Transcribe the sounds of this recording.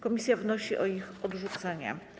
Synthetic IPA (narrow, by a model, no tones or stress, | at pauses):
kɔmʲisʲjavnɔɕiʔɔixɔd̪ʐut̪sɛɲɛ̰